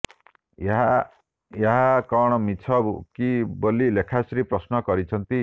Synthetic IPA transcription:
eɦa | jeɦakɔɽ̃ɔmit͡ʃʰɔbkibolilekʰasɾipɾɔsnɔkɔɾit͡ʃʰʌnt̪i

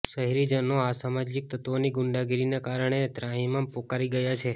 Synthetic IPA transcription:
ʃəɦiɾid͡ʒənoasamad͡ʒik̚t̪ət̪ʋoniɡʊɳɖaɡiɾinekaɾəɳ̃et̪ɾãɦĩmãpokaɾiɡəjat͡ʃʰe

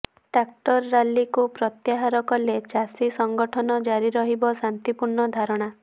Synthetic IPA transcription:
ɖak̚ʈɔɾːalːikupɾɔt̪jaɦaɾɔkɔlet͡ʃasisɔŋɡɔʈʰɔnɔd͡ʒaɾiɾɔɦibɔsant̪ipuɾɳɔd̪ʱaɾɔɽ̃a

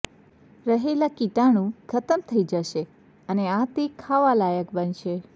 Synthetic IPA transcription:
ɾəɦelakiʈaɽ̃ũkʰət̪əmt̪ʰəid͡ʒəʃe | əneat̪ekʰaʋalajəkbənʃe

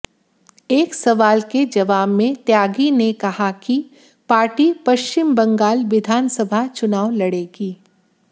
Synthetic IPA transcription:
eːksɐʋaːlked͡ʒɐʋaːbmẽt̪jaːɡinekɐhaki | paːɾʈipɐʃt͡ʃɪmbɐ̃ŋɡaːlʋɪd̪ʱaːnsɐbʱat͡ʃʊnaːʋlɐɽeːɡiː

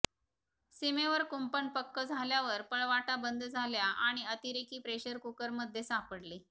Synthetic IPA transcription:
simeʋəɾkumpəɳpəkːəd͡zʱaljaʋəɾpəɭʋaʈabənd̪d͡zʱaljaʔaɽ̃iət̪iɾekiːpɾeɕəɾkukəɾməd̪ʱːjesapəɽli

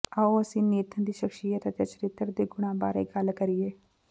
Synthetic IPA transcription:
aoːəsĩːneːt̪ʰənd̪iːʃəkʃijət̪ət̪eːt͡ʃəɾɪt̪ːəɾd̪eːɡʊɽ̃ãːbaːɾḛːɡəlkəɾieː

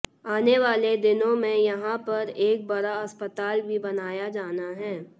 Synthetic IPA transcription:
aːneʋaːled̪ɪnõmẽjɐɦãpɐɾeːk̚bɐɾaɐspət̪aːlbʱibɐnaːjad͡ʒaːnaɦɛː

